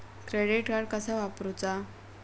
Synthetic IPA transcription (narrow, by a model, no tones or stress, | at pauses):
kɾeɽiʈkaɾɽkəsaʋapɾut͡sa